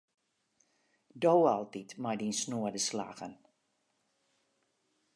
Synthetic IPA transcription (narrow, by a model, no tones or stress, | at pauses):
dowɑlˠtitmajdinsnuədəsla̰ɣən